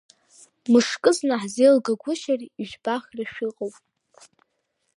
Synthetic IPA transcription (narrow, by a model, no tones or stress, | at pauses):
mɨʂkʼɨznaħzejlɡaɡʷʊʃariʒᶣbaχʲrɨʃᶣiqʼowpʼ